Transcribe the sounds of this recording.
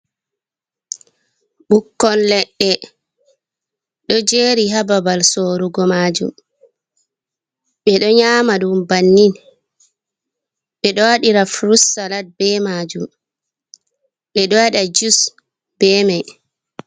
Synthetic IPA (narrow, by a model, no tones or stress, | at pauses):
ɓukːɔnlɛɗːɛ | ɗɔd͡ʒeɾiɦababalsoːɾuɡɔmad͡ʒṵm | ɓɛɗɔɲaːmaɗumbanːin | ɓɛɗɔwaɗiɾafɾusalat̚bɛmaːd͡ʒum | ɓɛɗɔwaɗad͡ʒus | b̥ɛmaj